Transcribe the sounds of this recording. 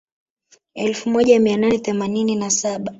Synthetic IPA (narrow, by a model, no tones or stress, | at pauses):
ɛlfumɔʄamiananɛθɛmanininasaɓa